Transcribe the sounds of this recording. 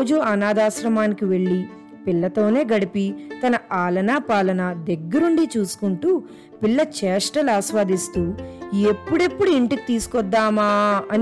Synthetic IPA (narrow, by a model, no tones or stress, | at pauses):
d͡ʒuɐnaːd̪aːʃɾɐmaːnikiʋe̞ɭːi | pilːɐt̪o̞ːne̞ːɡɐɽipit̪ɐnɐaːlɐnaːpaːlɐnɐd̪eɡːɐɾuɳɖit͡ʃuːsu̥kuɳʈuː | piɭːɐt͡ʃɛːʂʈɐlaːʃʋaːd̪ist̪uːe̞pːuɽe̞pːuɽuiɳʈiki̥t̪iːsu̥kɔd̪ːaːmaːɐn